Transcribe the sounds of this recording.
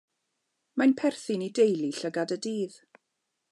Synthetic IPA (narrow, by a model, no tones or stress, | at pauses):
majnpʰɛrθɨnidejlˠiɬəɡadədiːð̥